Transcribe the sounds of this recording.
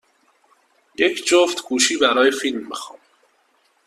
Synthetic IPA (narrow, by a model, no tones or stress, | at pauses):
jecʰd͡ʒoft̪ɡuːʃiːbæɾɒːjefilmːixɒ̰ːm